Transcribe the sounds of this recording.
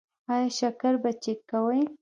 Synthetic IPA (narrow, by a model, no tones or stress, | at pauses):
ɑjɑʃakaɾbat͡ʃekːawəj